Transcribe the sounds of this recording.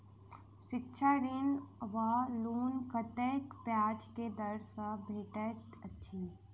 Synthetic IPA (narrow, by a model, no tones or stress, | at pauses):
ʃɪkʃʰaɾɪnʋaluːnkət̪eːkpjaːd͡ʒked̪ɐɾsabʱeːʈəətːʃʰiː